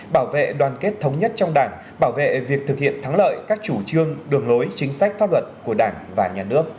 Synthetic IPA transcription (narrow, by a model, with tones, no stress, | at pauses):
ɓaː˧˩wvḛ˧˨ɗwaː˨˩nke˦˥t̚t̪ʰə˨˦wŋ͡mɲə˦˥t̚t͡ɕɔ˧wŋ͡mɗaː˧˩ŋ | ɓaː˧˩wvḛ˧˨vi˨˩ək̚t̪ʰɨ˨˩k̚hḭ˧˨ənt̪ʰa˨˦ŋlə̰ː˧˨jkaː˦˥k̚t͡ɕu˧˩t͡ɕɨ˧əŋɗɨ˨˩əŋlo˨˦jt͡ɕï˨˦ŋ̟sa˦˥jk̟̚faː˦˥p̚lwə˨˩t̚ku˧˩əɗaː˧˩nvaː˨˩ɲaː˨˩nɨ˦˥ək̚